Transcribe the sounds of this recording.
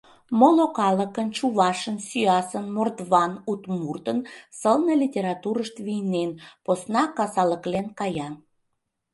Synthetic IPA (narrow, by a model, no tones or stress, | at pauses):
molokɑləkənt͡ɕuβɑʃənsyɑsənmord̪βɑnut̪murt̪ənsəlnəlʲitʲeɾɑt̪uɾəʃt̪βijnenposnɑkɑsɑləklenkɑjɑn